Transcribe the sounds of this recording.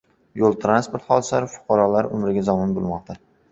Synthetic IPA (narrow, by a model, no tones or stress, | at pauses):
jolˠt̪ʰɾanspoɾt̪χɒd̪ɪsaɾɪfʊ̥qʰɑɾɒlaɾʊ̰mɾɪɡʲazɒmɪnbolˠmɒq̚t̪ʰa